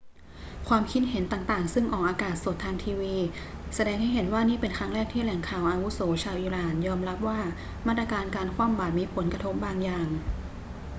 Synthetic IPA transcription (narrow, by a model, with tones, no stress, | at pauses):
kʰwaː˧mkʰi˧˥˩t̪̚ɦe˩˦nt̪aː˨˩ŋt̪aː˨˩ŋsɯ˥˩ŋʔɔː˨˩k̚ʔaː˧kaː˨˩t̪̚so˨˩t̪ʰːaː˧ŋt̪ʰiː˧wiː˧ | sa˧dɛː˧ŋha˥˩jɦe˩˦nwaː˥˩niː˥˩pe˧nkʰɾa˦˥ŋɾɛː˥˩k̚t̪ʰiː˥˩lɛ˩˦ŋkʰaː˨˩wʔaː˧wu˦˥soː˩˦t͡ɕʰaː˧wʔiː˧˥ɾaː˨˩njɔː˧mɾa˦˥p̚waː˥˩ | maː˥˩t̪ɾa˧kaː˧nkaː˧nkʰwaː˥˩˨mbaː˨˩t̪̚miː˧pʰo˩˦nka˧t̪ʰo˦˥p̚baː˧ŋjaː˨˩ŋ